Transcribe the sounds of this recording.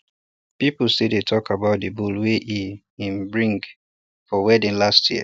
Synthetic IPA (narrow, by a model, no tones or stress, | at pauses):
pipl̩sedetʰɔkabaʊt̚dəbulweʔi | ĩmbɹĩŋɡ | fɔwɛdĩnlastjḭə̰